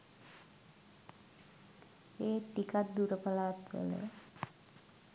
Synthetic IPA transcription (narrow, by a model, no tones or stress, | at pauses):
eːʈ̪ikat̪̚d̪uɾəpalaːt̪ə̰lḛ